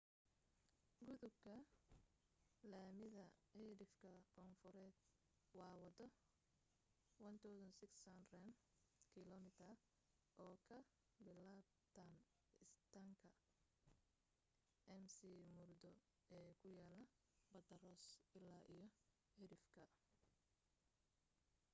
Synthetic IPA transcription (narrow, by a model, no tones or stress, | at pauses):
ɡʊðʊbkʰɐ | laːmɪðɐɛɾɪfkʰɐkʰɔnfʊɾɛːd̪ | wɑːwɐd̪ɔ | wɐnt̪ʰawsɐnsɪɡsɐnrɐn | kʰɪlɔmɪt̪ʰɐr | ʔɔːkʰɐ | bɪlaːb̚ | t̪ʰan | ɪst̪ʰaŋkʰɐ | ʔɛmsimʊrd̪ɔ | ɛːkʰʊjaːlːɐ | bɐd̪ɐrɔːsɪlːaːʔijɔ | hɛɾɪfkʰɐ